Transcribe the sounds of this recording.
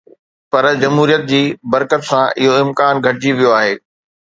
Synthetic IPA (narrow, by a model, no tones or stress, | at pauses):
pɐɾd͡ʑɐmɦuːɾijət̪̚d͡ʑiːbɐɾkət̪sãɪɦoɪ̃mkaːnɡʱɐʈɪd͡ʑiʋijoaːɦeː